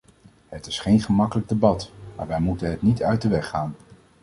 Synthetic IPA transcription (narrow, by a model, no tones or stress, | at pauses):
ɦətɪsχejnχəmɑkələɡ̚debɑtma̰ːɹʋɛjmutənɦətnitœɥt̚dəʋɛχaːn